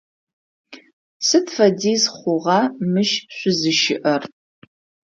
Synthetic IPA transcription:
sɨtfɐdiːzχʷʊʁɑmɨʃɕʷʊzɨʃɪʔɐr

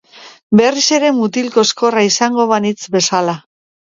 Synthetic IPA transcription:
be̞rise̞ɾe̞mut̪ilko̞esko̞raisaŋɡo̞β̞anit͡sbe̞sala

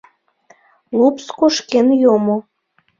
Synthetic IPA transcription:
lupskoʃkenjomo

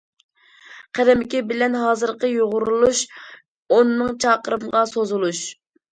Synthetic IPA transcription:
qʰæɾɛmɪkʲibɪlɛnɦɑːzɨɾqəjoʁʊɾulˠuʃ | onɨnɨŋt͡ʃʰɑːqəɾɨmʁɑsozulˠuʃ

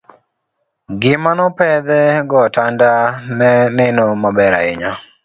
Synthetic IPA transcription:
ɡɪmanɔpɛd̪ɛɡɔtandanɛnɛnomabɛɾa̰ɪ̰ɲa

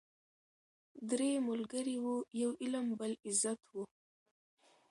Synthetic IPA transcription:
d̪ɾemʊlɡəɾiwujawʔɪlambəlɪzat̪wu

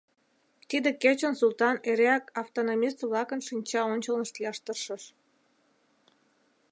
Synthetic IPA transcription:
t̪id̪eket͡ɕənsult̪ɑneɾeɑkɑft̪onomʲist̪βlɑkənʃinʲt͡ɕɑonʲt͡ɕəlnəʃt̪liɑʃt̪ərʃəʃ

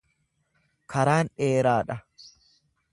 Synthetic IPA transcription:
kɐɾaːnᶑeːɾaːᶑɐ

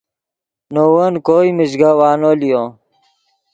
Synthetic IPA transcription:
nowɐnkoːimiɕɡawaːnolijo

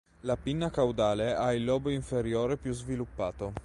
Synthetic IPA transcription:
lapinːakawd̪aːleailːɔːboiɱfeɾjoːɾepjuzvilupːaːt̪o

